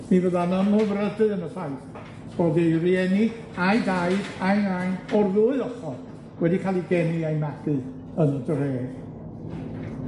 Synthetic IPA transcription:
nivəðanɔnmɔvrədɨənəsajθ | sɔðeriɛni | ajdajdajnanɔrðʊːɨɔχɔ | wɛdikʰalˠiɡɛnɨajmad̥ɨ | ənədreːð̥

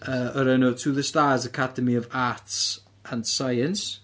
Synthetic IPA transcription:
əːəɾənotʰuðəstaːzəkʰadəmiɔvaːts | ə̃nsajəns

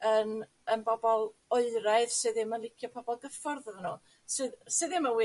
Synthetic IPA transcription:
ən | ənbɔbɔlˠɔɨɾaɨðsɨːðɪmənlˠɪkʰjɔpʰɔbɔlˠɡəfɔrðəðənuː | sɨːðsɨːðɨməwɪ

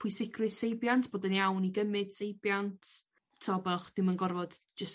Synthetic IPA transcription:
pʰʊjsɪɡrɨsejbjantʰb̥oːdənjawniɡəmɨd̥sejbjantʰ | tʰːɔbɛlˠχd̥ɪmənɡɔrvɔd̥ | d͡ʒəs

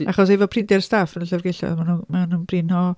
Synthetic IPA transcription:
aχɔs̬evɔpʰrɪndɛrstafənəɬarɡejɬɔ̰ðmanumɛwnənb̥rɪnɔ

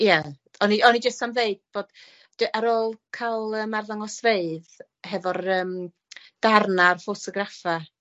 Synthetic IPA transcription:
ja | ɔniʔɔnid͡ʒəstamðeɨd̥̚b̥oːd̥ | d̥ɨʔaɾoːlˠkʰalˠəːmarðaŋɔsveɨð | ɦɛvɔrəːm | d̥arnarfotʰɔɡrafa

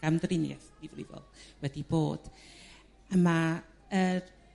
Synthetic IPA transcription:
amdrɪnja̰θivrɪ̰vɔ̰lˠwɛdib̥oːd̥ | əma | ər

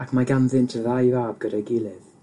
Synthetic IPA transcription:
akʰmaɡanðɪntʰəðajvaːb̚ɡ̥əɾəɡɪlˠɪð

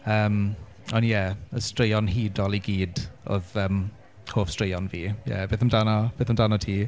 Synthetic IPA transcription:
əːm | ɔnjɛəstrejɔnɦiːdɔlˠiɡiːdɔ̰ðəːm | hoːfstrejɔnviːjɛ̰beːθəmdanɔb̥eːθəmdanɔtʰiː

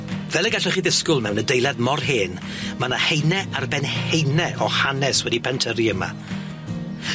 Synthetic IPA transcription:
vɛlˠəɡaɬɛχiːðɪskʊlˠmɛwnədejlˠadmɔrɦeːn | manahejnɛarbɛnhejnɛʔɔhanɛswɛdipʰɛntʰəɾiəma̰

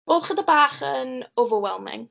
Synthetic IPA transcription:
oːðχədəbaːχənʊvəwɛlˠmɪ̰ŋ

